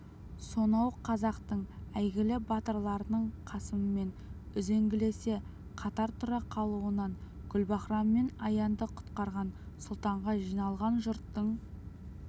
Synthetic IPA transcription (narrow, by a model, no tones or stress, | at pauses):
so̞nɑwqʰɑzɑqt̪əɴæjɡʲɪlɪbɑt̪əɾlˠɑɾənəɴqʰɑsəməme̞n | ʏze̞ŋɡʲɪle̞se̞ | qʰɑt̪ɑɾt̪ʰʊɾɑqʰɑlˠuənɑɴ | ɡʲʏlbɑχɾɑmːe̞nɑjɑnd̪əqʰʊ̥t̪qɑɾʁɑn | sʊlˠt̪ɑɴʁɑʒijnɑlˠʁɑnʒʊɾt̪ːəɴ